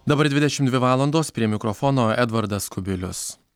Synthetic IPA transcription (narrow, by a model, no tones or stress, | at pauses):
d̪ɐbɐɾd̪ʲʋʲɪd̪ʲɛʃʲɪmtd̪ʲʋʲɪʋɑːlˠɐnd̪oːspʲɾʲiɛmʲɪkɾɔfɔːnoːɛd̪ʋɐɾd̪ɐskʊbʲɪlʲʊs